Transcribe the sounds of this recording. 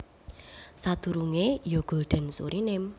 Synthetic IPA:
sad̪̥ṳɾuŋejoɡ̥o̤lɖ̪̥ə̤nsṵɾʔinɪm

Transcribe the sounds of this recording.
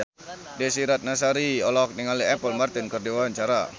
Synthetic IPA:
dɛsiɾat̪̚nasaɾiɔlaɔk̚niŋaliɛpəlmart̪ɪnkərdiwaaɲt͡ʃaɾa

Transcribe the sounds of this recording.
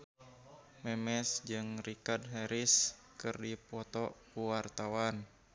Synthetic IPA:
mɛmɛsd͡ʒɨŋrikadɦɛɾis | kɨrdipɔt̪ɔkuwart̪awan

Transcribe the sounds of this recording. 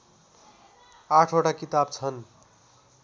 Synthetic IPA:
aʈʰoʈakit̪abt͡sʰʌn

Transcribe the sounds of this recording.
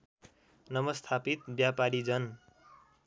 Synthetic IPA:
nʌmʌst̪ʰapit̪bjapaɾid͡zʌn

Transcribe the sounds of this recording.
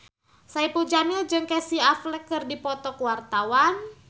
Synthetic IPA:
saipud͡ʒanɪld͡ʒɨŋkɛsiaflɛkːɨrdipɔt̪ɔkuwart̪awan

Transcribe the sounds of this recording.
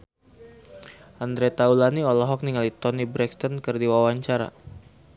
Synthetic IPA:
ʔand̪ɾɛt̪aulaniɔlɔɦɔk̚niŋalit̪ɔnibɾɛkst̪ɔnkɨrdiwawaɲt͡ʃaɾa̰

